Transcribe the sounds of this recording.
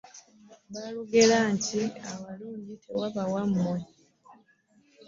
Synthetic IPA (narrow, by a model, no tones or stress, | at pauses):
βaluɡelaɲciaβaluːɲɟitʰewaβawamːwe